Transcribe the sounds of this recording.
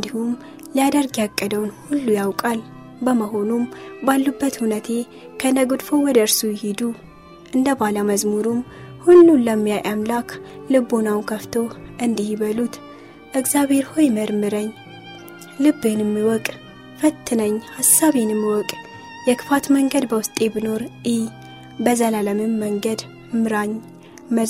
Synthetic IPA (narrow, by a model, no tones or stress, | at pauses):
ɨnd̪ihum | lijad̪əɾɡjakʼːəd̪əwnhulːujawkʼal | bəməɦo̞numbalːubːət̪hunət̪ʰe̞ | kʰənəɡud̪fo̞wɔd̪əɾsujhid̪u | ʔɨnd̪əbalaməzmuɾum | hulːunləmːijajʔamlakʰlɨbːonawnkʰəft̪ʰo̞wʔɨnd̪ihiβəlut̪ | ʔɨɡzjaβhe̞ɾho̞jməɾmɨɾəɲː | lɨbːenɨmːiwɔkʼ | fət̪ʰːɨnəɲːhasaβenɨmːiwɔkʼ | jɛkʰɨ̥fat̪məŋɡəd̪bəwʊst̪ʼe̞bɨno̞ɾʔi | bəzəlaləmɨmːəŋɡəd̪ | mɨɾaɲ | məz